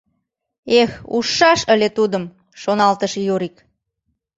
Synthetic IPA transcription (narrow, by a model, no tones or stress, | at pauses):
exṵʃːɑʃəlʲet̪ud̪əm | ʃonɑlt̪əʃjoɾik